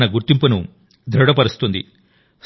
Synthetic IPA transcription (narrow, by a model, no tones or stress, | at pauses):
nɐɡuɾt̪impunu | d̪ʱɾɐɽɐpɐɾust̪und̪ḭ | s